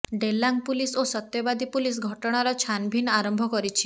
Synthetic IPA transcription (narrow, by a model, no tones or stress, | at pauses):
ɖelːaŋpulisosɔt̪jɔbad̪ipulis̬ɡʱɔʈɔɽ̃aɾɔt͡ʃʰanbʱinaɾɔmbʱɔkɔɾit͡ʃʰi̥